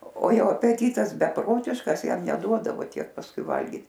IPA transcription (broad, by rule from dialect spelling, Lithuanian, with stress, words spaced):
oː ˈjoː ɐpʲɛˈtʲiːtɐs bʲɛˈproːtʲɪʃkɐs ˈjɛm nʲɛˈduɔdɐʋoː ˈtʲiɛk pɐsˈkʊɪ ˈʋɐlʲɡʲɪt